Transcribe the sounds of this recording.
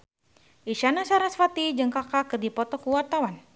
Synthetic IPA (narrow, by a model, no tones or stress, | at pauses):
ʔiʃanasaɾasfat̪id͡ʒəŋkakakɨrdipɔt̪ɔkuwart̪awan